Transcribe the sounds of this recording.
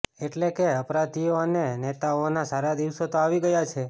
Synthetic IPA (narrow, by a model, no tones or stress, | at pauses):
eʈlekeəpɾat̪ijoənenet̪aonasaɾad̪iʋsot̪oaʋiɡəjat͡ʃʰe